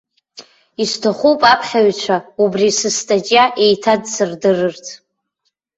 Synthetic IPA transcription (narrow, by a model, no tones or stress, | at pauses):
istʰaχʷupʼapʰħʲaɥt͡ʃʷʰaubrisɨstʼat͡ʃʼjaʔe̞jtʰadsɨrdɨrɨrtʰʼ